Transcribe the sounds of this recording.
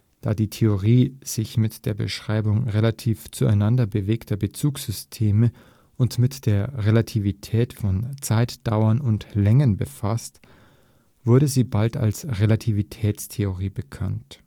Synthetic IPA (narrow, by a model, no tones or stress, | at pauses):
d̥a̰ːdiːtʰeoʁiːz̥ɪçmɪtd̥eːɐbə̰ʃʁ̥aɪbʊŋʁelatʰiːft͡sua̰ɪnandɐbəveːktʰɐbət͡suːksz̥ʏstʰeːmə | ʔʊntmɪtd̥eːɐʁelatʰivitʰɛːtfɔnt͡saɪtd̥aʊɐnʊntlɛŋənbəfast | v̥ʊɐɾəziːbalta̰lsʁelatʰivitʰɛːt͡stʰeoʁiːbəkʰa̰nt